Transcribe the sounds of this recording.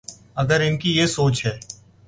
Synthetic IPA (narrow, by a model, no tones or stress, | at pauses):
ɐɡəɾɪnkijesoːt͡ʃɦɛː